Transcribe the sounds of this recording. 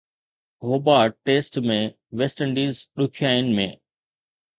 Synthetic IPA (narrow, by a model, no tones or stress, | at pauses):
ɦoːbaːʈeːsʈmẽ | ʋesʈə̃ɳɖiːzɗʊkʰjaːɪnɪ̆mḛ̃ː